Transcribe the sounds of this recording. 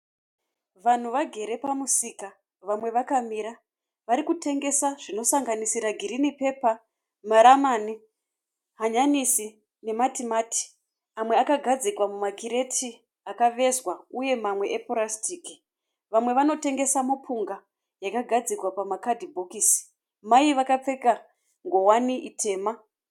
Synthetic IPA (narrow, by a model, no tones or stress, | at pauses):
ʋan̤uʋaɡʱe̞ɾe̞pamusika | ʋamwe̞ʋakamiɾa | ʋaɾikute̞ŋɡe̞saʐino̞saŋɡanisiɾaɡʱiɾinipe̞pa | maɾamani | ɦaɲanisi | ne̞matimaːti̥ | amwe̞akaɡʱad͡zikwamumakiɾe̞tʰi | akaʋe̞zwauje̞mamwe̞ʔepoɾastiːki | ʋamwe̞ʋano̞te̞ŋɡe̞samapʰuŋɡa | jakaɡʱad͡zikwapamakadʱibʱo̞kiːsi̥ | maiʋakap͡fe̞ka | ŋɡo̞waniʔitʰe̞ːma